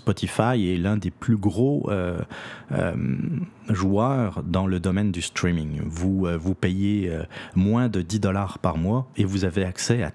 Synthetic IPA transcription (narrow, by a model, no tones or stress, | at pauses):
spɔt̪ʰifajɛlɛ̃d̪eplyɡʁoø | ø̰m | ʒwœːʁd̪ɑ̃ləd̪ɔmɛnd̪yst̪χimiŋvuøvupejeømwɛ̃d̪əd̪id̪ɔlaʁpaʁmwaevuzaveaksɛa̰